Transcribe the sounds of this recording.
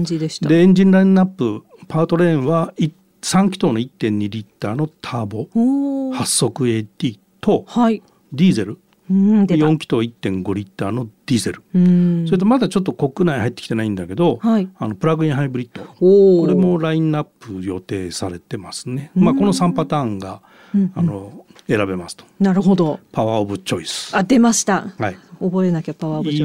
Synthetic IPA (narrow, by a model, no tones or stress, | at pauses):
id̪eɕd̪e̞ẽɲ̟d͡ʑĩnɾaĩnːapːɯ | paːt̪o̞ɾẽɰ̃βai | sãŋkʲi̥t̪oːnoit̪ːẽ̞ɲ̟ːiɾʲit̪ːaːno̞t̪ʰaːbo̞hasːo̞kɯ̟e̞ːt̪ʲiː | t̪o̞hi | d̪ʲiːze̞ɾɯ | d̪jõ̞ŋkʲi̥t̪o̞ːit̪ːẽ̞ŋɡo̞ɾʲit̪ːaːno̞d̪̥ʲiːze̞̰ɾɯ̟soɾet̪̬omad̪at͡ɕo̞t̪̬ːo̞ko̞kɯ̟naihait̪ːekʲit̪enaĩnd̪ake̞d̪o̞haiano̞pɯ̟ɾaɡɯ̟ĩɰ̃ɦaibɯ̟ɾʲit̪ːo̞okoɾe̞mo̞ɾaĩnapːɯjo̞t̪e̞ːsaɾe̞t̪e̞masɨne̞mako̞no̞sãmpat̪ãːŋɡa | ano̞ | e̞ɾabe̞masɨ̥t̪o̥naɾɯ̟ɦod̪opʰaβaobɯ̟t͡ɕo̞isɨ̥ad̪e̞maɕi̥t̪ahaiobo̞eenakʲapaβa